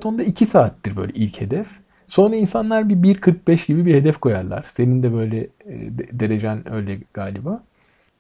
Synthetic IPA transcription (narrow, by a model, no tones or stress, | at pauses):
t̪ʰo̞nd̪aicʰisaːt̪ːiɾbø̞̰jlʲɛ̰ʔilʲche̞d̪ɛf | so̞nɾainsanlˠaɾbibiɾkʰɯɾk̚bɛʃɟibibihe̞d̪ɛfkʰo̞jaɾlˠa̰ɾ̥se̞nind̪ɛbø̞jlʲɛ | d̪e̞ɾed͡ʒænø̞̰jlʲɛɡ̥aːlʲibaː